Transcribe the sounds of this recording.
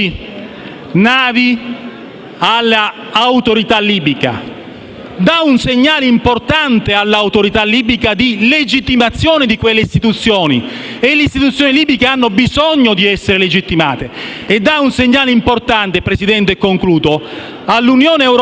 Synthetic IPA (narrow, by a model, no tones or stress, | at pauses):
naːvi | alːaː | wt̪oɾit̪alːiːbika̰ | d̪aunseɲːaːleimport̪ant̪ealːauwt̪oɾit̪alːiːbikad̪iled͡ʒit̪ːimat̪sːjoːnɪd̪ikwelːeist̪it̪ut̪sːjoːnḭ | eleist̪it̪ut̪sjoːniliːbikeanːobizɔɲːod̪iɛsːeɾeled͡ʒit̪ːimaːt̪eːd̪ːaunseɲːaːleimport̪ant̪epɾesid̪ɛnt̪eɛkːoŋkluːt̪o | alːunjoːneɛwɾo